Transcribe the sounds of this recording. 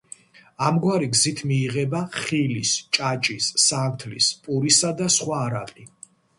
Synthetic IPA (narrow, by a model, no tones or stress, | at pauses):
amɡwaɾiɡzit̪ʰmiːʁɛbaχilist͡ʃʼat͡ʃʼisːant̪ʰlḭspʼuɾisad̪asχwaːɾaqʼi